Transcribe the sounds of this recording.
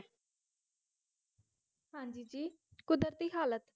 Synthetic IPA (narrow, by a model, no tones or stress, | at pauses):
hãːɲd͡ʒiːd͡ʒiː | kʊd̪əɾt̪iːɦaːlət̪